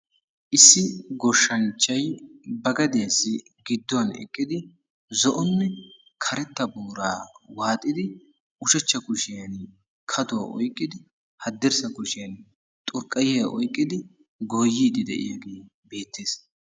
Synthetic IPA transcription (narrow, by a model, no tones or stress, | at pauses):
ʔɪsːɪɡɔʃːɐnt͡ʃːɐjbɐɡɐd̪esɪ | ɡɪd̪ːɔɐnɛ̰kʼːɪd̪ɪ | zɔʔɔnːɛ | kʰɐɾɛt̪ːɐbuːɾaːwaːt̪ʼːɪd̪ɪ | ʔʊʃɛt͡ʃːɐkʊʃɪjɐn | kʰɐd̪ɔ̰ʔɔjkʼːɪd̪ɪ | hɐd̪ːɛɾsɐkʊʃɪjɐn | t̪ʼʊɾkʼːɐjɛjɐʔɔjkʼːɪd̪ɪ | ɡoːjːiːd̪ɪd̪ɛ̰ʔɪ̰jaɡeː | beːt̪ːe̞ːs